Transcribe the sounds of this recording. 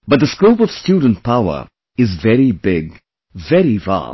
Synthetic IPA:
bʌt̚d̪əskoʊpɔv̥stjuːɖə̃n̩t̚pʰaʊə̰ɹ | ɪzvɛɾibɪɡ | vɛɾiva̰

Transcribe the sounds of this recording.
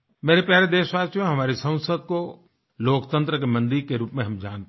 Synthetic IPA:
meːɾepjaːɾed̪eːsʋaːsjõɦɐmaːɾisə̃w̃səd̪̚ko | loːkt̪ə̃nt̪ɾəkemɐ̃nd̪iɾkeɾuːpmẽɦɐmd͡ʒaːñt̪

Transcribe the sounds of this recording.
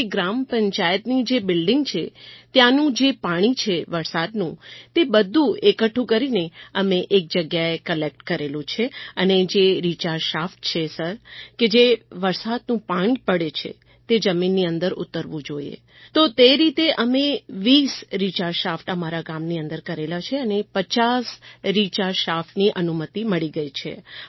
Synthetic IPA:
ɡɾampəɲt͡ʃajət̪nid͡ʒebɪlɖɪ̃ŋɡt͡ʃʰet̪janũd͡ʒepaɽ̃it͡ʃʰeʋəɾsad̪nũt̪ebəd̪ʱːũekəʈʰːũkəɾineəmeʔːk̚d͡ʒəɡjaekəlek̚ʈkəɾelũt͡ʃʰeəned͡ʒeɾit͡ʃaɾʃafʈ̚t͡ʃʰesəɾked͡ʒeʋəɾsad̪nũpãɳɡpəɽet͡ʃʰḛ | t̪ed͡ʒəminːiənd̪əɾʊ̰t̪ːəɾʋũd͡ʒoḭḛ | t̪ot̪eɾit̪eʔəmẽʋisɾit͡ʃaɾʃafʈəmaɾakamniə̃nd̪əɾkəɾelat͡ʃʰeənepət͡ʃasɾit͡ʃaɾʃafʈniʔənumət̪iməɭiɡəit͡ʃʰḛ

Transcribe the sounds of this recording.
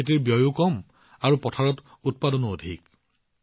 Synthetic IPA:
et̬iɹbjɔjukɔm | aɹupɔtʰaɹɔt | ut̚padɔnɔodʱik̚

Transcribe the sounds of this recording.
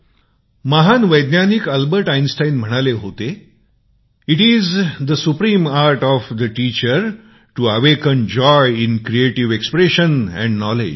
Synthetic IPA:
məɦanʋəjd̪njanikəlbəɾʈajnsʈainm̤əɽ̃aleɦot̪e | iʈizd̪əsupɾiːmaɾʈɔfd̪əʈiːt͡ɕəɾ | ʈuəʋekənd͡ʑɔjinkɾieʈiʋekspɾeɕənɛ̰̃ɳɖnɔlḛd͡ʒ

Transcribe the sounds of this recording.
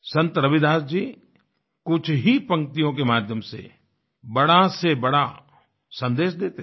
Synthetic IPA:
sɐ̃nt̪əɾɐʋɪd̪aːsd͡ʒiː | kʊt͡ʃʰɦipɐ̃ŋk̚t̪ijõk̬emaːd̪ʱjəmsḛ | bɐɽasebɐɽa | sɐ̃nd̪eːʃd̪eːt̪e

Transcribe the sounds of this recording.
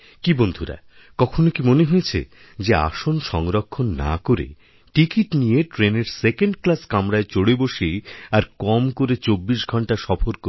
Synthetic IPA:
kibond̪ʱuɾa̰ | kɔkʰonokimoneɦojet͡ɕʰḛ | d͡ʑea̰ʃonʃɔŋɾokʰːonːa̰koɾḛ | ʈikiʈnijeʈɾeneɾsekeɳɖklaskamɾaet͡ɕoɽeboʃejaɾkɔmkoɾet͡ɕobːiʃɡʱɔɳʈaʃɔfoɾkoɾe

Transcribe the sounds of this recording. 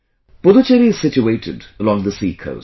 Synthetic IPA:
b̥ʊlət͡ʃɛɾiɪz̥sɪt͡ʃueɪtɪ̰dəlɔ̃ŋðəsikʰo̰ʊs

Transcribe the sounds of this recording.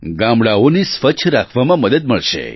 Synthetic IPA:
ɡãmbɽaonesʋət͡ʃʰɾakʰʋamãməd̪əd̪̚məɭʃḛ

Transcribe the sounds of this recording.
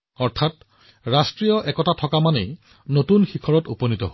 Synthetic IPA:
ɔɹtʰat | ɹastɹijɔʔɛkɔtatʰɔkamanej | notunxikʰɔɹɔtuponitɔ̰ɦo

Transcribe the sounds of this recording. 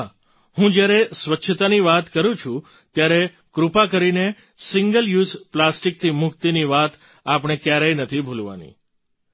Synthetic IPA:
ɦa | hũd͡ʒjaɾesʋətːʃʰət̪aniʋat̪kəɾũt͡ʃʰũ | t̪jaɾe | kɾupakəɾine | sɪŋɡəljuzplasʈik̚t̪ʰimʊkt̪iniʋat̪ | apɽ̃ekjaɾajnət̪ʰibʱulʋa̰nḭ

